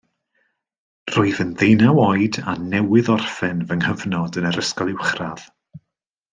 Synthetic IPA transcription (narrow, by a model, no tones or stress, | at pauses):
r̥oɨðənðejnawɔjdanɛwɨðɔrfɛnvəŋhəvnɔdənəɾəskɔlˠɪwχrað̥